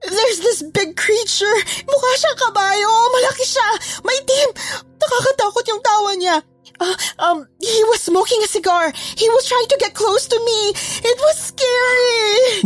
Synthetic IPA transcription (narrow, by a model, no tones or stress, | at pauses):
ðɛɹsðɪsbɪɡ̚kʰɹit͡ʃəɹmʊkaʃakɐbaːjomɐlɐkɪʃamɐjt̪imnɐkakɐt̪aːkot̪̚jʊŋt̪aːwɐɲa | ʔoʔɐmhiwɐz̥smoʊkɪ̃ŋɐsɪɡɑɹhiwɐst̪ʰɹajɪ̃ŋt̪ʊɡɛt̪̚kʰloʊst̪ʊmiʔɪt̪̚wɐzskɛɹi